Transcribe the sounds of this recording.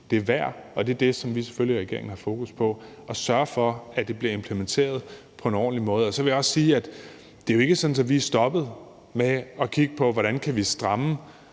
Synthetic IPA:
d̥e̝æɐʋæɐ̰ɒ̽d̥e̝ɐd̥e̝sɒ̽mʋise̥føliʁɛɡ̥e̝ɐḛɪŋ̩hɑ̈fo̝ːkuspʰɒ̽ | ɒ̽sɶɐfɒ̽æd̥e̝b̥liɐe̝mpʰlement͡sʰe̝̰ːɐð̞ˠ | pʰɒ̽e̝nɒ̰ːnlimɔ̽ːð̞̩ˠɒ̽sɒʋe̝jäɒ̽ssiːæd̥ | d̥e̝jo̝e̝ɡ̥əsɒ̽d̥n̩sɒ̽ʋiæsd̥ɒ̽b̥ð̞̩ˠ | meɒ̽kʰiɡ̥əpʰɒ̽ʋɒɾænkʰæʋisd̥ʁɑ̈mə

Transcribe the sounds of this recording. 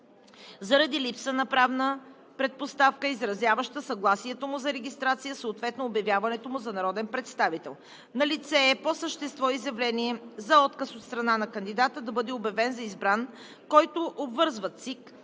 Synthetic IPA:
zɐɾɐd̪ilipsənɐpɾavnə | pɾɛt̪̚post̪afkəizɾɐzjavəʃt̪əsɐɡlˠasiɛt̪omʊzɐɾɛɡʲist̪ɾat̪sijəsəʊt̪vɛt̪noːbjɐvʲjavɐnɛt̪omʊzɐnɐɾɔd̪ɛnpɾɛt̪st̪avit̪ɛlˠ | nɐlit̪sɛːposəʃt̪ɛst̪vɔizjɐvlɛniɛzɐɔt̪kəsot̪st̪ɾɐnanɐkɐnd̪id̪at̪əd̪ɐbɤd̪ɛobjɐvɛnzɐizbɾan | kɔjt̪oʔobvɤɾzvət̪sik

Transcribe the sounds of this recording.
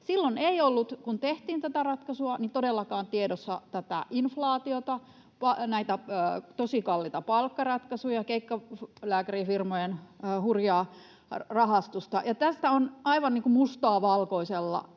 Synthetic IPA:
silːoneiolːut̪kunt̪eht̪iːnt̪æt̪ærɑt̪kɑsuɑnit̪odelːɑkɑːnt̪iedosːɑ̰t̪æt̪æ̰ʔinflɑːt̪iot̪ɑ | pɑnæit̪æt̪osikɑlːit̪ɑpɑlkːɑrɑt̪kɑsujɑkeikːɑlæːkærifirmojenːhurjɑː | rɑhɑst̪ust̪ɑ̰jɑt̪æst̪æonɑiʋɑnniːŋkumust̪ɑːʋɑlkoiselːɑ̰

